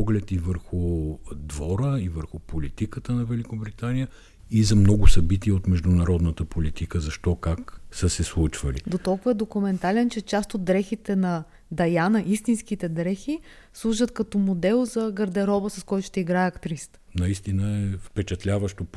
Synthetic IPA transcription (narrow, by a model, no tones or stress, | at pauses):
ɔɡlɛt̪ivəɾxud̪vɔɾəivəɾxʊpʰolit̪ikət̪ənɐvɛlikobɾit̪anijə | izɐmnɔɡʊsɐbit̪iɛot̪mɛʒd̪ʊnɐɾɔd̪nət̪əpʰolit̪ikəzɐʃt̪ɔkaksəsɛslˠut͡ʃvəlḭd̪ot̪ɔlˠkʊvəɛd̪okʊmɛnt̪alɛnt͡ʃɛt͡ʃast̪od̪̚ːɾɛxit̪ɛnɐ | d̪ɐjanəʔist̪inskit̪ɛd̪ɾɛxi | slˠuʒət̪kɐt̪ɔmod̪ɛlˠzɐɡɐɾd̪ɛɾɔbəsɐskɔjt̪ʊ̥ʃt̪ɛiɡɾaɛɐkt̪ɾist̪ | nɐist̪inəɛfpɛt͡ʃɐt̪lʲavəʃt̪op